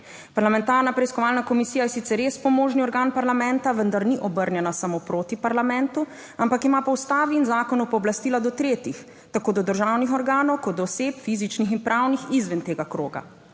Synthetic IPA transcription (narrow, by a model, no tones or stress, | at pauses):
paɾlamɛ̃nt̪aːɾnapɾɛiskɔʋaːlnakɔmisiːjajɛsit̪sɛɾjespɔmoːʒniɔɾɡaːnpaɾlamɛ̃nt̪aʋənd̪aɾniʔɔbəɾnjɛnasamopɾoːt̪ipaɾlamɛ̃nt̪u | ampakimapɔwst̪aːʋiːnzaːkɔnupɔːblast̪iːlad̪ɔt̪ɾeːt̪ix | t̪akoːd̪ɔd̪əɾʒaːwnixɔɾɡaːnɔwkɔd̪̚d̪ɔːseːpfizit͡ʃnixinpɾʔaːwnixizʋɛnt̪eːɡakɾo̰ːɡa̰